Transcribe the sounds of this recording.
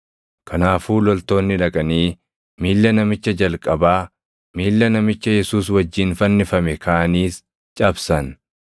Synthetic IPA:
kʰɐnaːfuːlɔlt̪o̞ːnːɪᶑɐkʼɐniː | miːlːɐnɐmɪt͡ʃːɐd͡ʒɐlkʼɐbaː | miːlːɐnɐmɪt͡ʃːɐjɛsuːs̬wɐd͡ʒːiːnfɐnːɪfɐmɛkʰaːʔɐniːs | t͡ʃʼɐbsɐn

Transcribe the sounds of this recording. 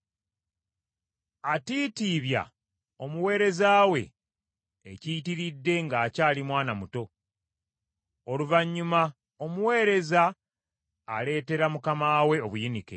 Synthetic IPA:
atiːtiːβja̰ | o̞muwe̞ːɾe̞zaːwe̞̰ː | citiɾidːe̞ŋɡaːcaːlimwaːnamuto̞ | oluvaɲːuma | o̞muwe̞ːɾe̞zaː | le̞ːte̞ɾamukamaːwe̞o̞βujinike̞̰

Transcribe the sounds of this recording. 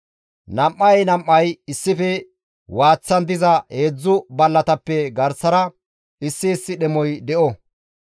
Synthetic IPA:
nɐmʔːɐjnɐmʔːɐjɪsːɪfɛ | waːt͡sːɐnd̪ɪzɐheːd͡zːʊbɐlːɐt̪ɐpːɛɡɐɾsɐɾɐ | ɪsːɪːsːɪɗɛmɔjd̪ɛʔɔ

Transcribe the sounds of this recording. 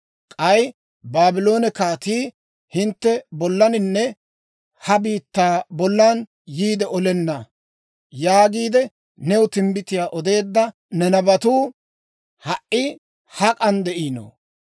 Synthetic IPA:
kʼɐj | baːbɪlo̞ːnɛkaːt̪iː | hɪnt̪ːɛbɔlːɐnɪnːɛ | hɐbiːt̪ːaːbɔlːaːn | jiːd̪ɛʔɔlɛnːɐ | jaːɡiːd̪ɛ | nɛwʊt̪ɪmbɪt̪ɪjaːʔɔd̪e̞ːd̪ːɐ | nɛnɐbɐt̪uː | hɐʔi | hɐkʼɐnd̪ɛʔiːno̰

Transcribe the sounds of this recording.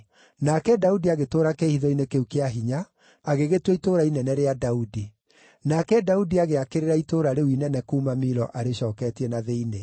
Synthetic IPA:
nakɛdaudiaɣetoːɾakehiðɔinekeukeaɦiɲaː | ɣeɣetwɛitoːɾainɛnɛɾeadaudi | nakɛdaudiaɣeakeɾeɾaitoːɾaɾewinɛnɛkuːmamiɾɔʔaɾeɕɔːkɛtiɛnaðeine

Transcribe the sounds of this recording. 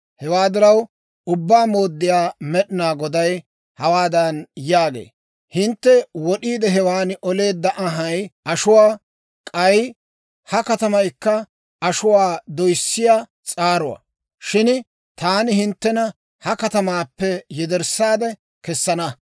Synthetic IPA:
hɛwaːd̪ɪɾɐw | ʊbːaːmo̞ːd̪ːɪjaːmɛɗɪnaːɡɔd̪ɐj | hɐwaːd̪ɐnjaːɡḛː | hɪnt̪ːɛwɔɗiːd̪ɛɦɛwaːnʔɔle̞ːd̪ːɐʔɐɦɐjʔɐʃʊwaː | kʼɐj | hɐkɐt̪ɐmɐjkːɐ | ɐʃʊwaːd̪ɔjsːɪjaː | t͡sʼaːɾʊwa̰ | ʃɪn | t̪aːnɪhɪnt̪ːɛnɐ | hɐkɐt̪ɐmaːpːɛjɛd̪ɛɾsaːd̪ɛ | kɛsːɐnɐ

